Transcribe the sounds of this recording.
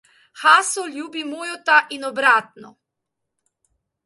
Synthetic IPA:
xaːsɔlʲjuːbimoːjɔt̪aʔinɔbɾaːt̪nɔ̰

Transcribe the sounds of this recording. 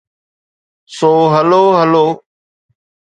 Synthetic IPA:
soːɦəloːɦəloː

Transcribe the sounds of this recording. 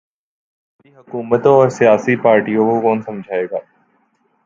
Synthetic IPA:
iɦɐkuːmət̪õɔːɾsijaːsipaːɾʈijõkokɔːnsɐ̃md͡ʒʱaːeːɡaː

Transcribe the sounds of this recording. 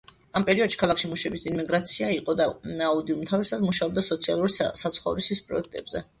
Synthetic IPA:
ampʼɛɾiɔd̪ʃi̥kʰalˠakʃimuʃɛbisinmiɡɾat̪sʰiaiqʼɔd̪anaud̪iumt̪ʰavisad̪muʃaɔb̚d̪asɔt̪sʰialˠuɾsat̪sʰχɔvɾisispʼɾɔ̰ɛk̚ʰt̪ʼɛbzɛ

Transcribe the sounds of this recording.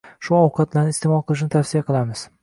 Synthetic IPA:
ʃʊɒwqʰɑt̪̚laɾnɪst̪emɒlˠqʰɨlˠɪʃ̬nɪt̪ʰafsijaqʰɨlˠamɪz̥

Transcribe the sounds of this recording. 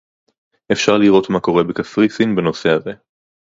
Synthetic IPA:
ʔefʃaʁliʁo̞t̪mako̞ʁe̞bekafʁisinbeno̞se̞haze̞

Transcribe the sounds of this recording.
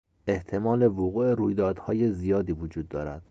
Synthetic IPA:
ʔe̞ht̪ʰe̞mɒːle̞voɣuːe̞ɾuːjd̪ɒːd̪hɒːje̞zijɒːd̪iːvod͡ʒuːd̪ːɒːɾæ̰d̪̥

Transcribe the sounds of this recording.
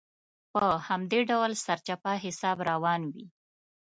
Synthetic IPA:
pəhamd̪eɖawlsaɾt͡ʃapaɦɪsɑbɾawɑnwi

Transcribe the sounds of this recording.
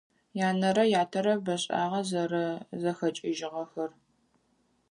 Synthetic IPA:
jaːnɐɾɐjaːtʰɐɾɐbɐɕʼa̰ːʁɐzɐɾɐzɐxɐt͡ʃʼɪʒɪʁɐxɐr

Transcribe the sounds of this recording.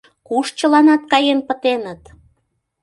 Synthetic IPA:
kuʃt͡ɕə̆lɑnɑt̪̚kɑjenpət̪enət̪

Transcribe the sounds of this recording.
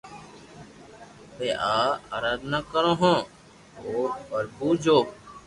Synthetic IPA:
teːʔaːəɾaːd̪nakəɾõːɦõː | oːbəɾbuːd͡ʒoː

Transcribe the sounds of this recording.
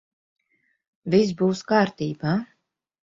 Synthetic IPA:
visbuːskaːɾt̪iːbaː

